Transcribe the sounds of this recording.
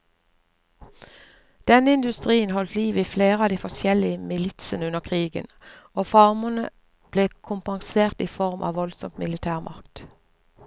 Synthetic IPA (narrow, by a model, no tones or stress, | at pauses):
d̪̥ɛnəɪnd̪ʉst̪ʁiːənhɔlt̪liːʋiːfleːʁəɑːd̪iːfɔsjɛlɪəmɪlɪt̪sənʉnəʁkʰʁiːɡə̰noːfɑʁmənə̰ | b̥leːkʰʊmpɑŋseːʁt̪iːfɔʁmʔɑ̰ːʋɔlsɔ̰mtmɪlɪt̪ʰæːʁmʔɑ̰ʁkt̪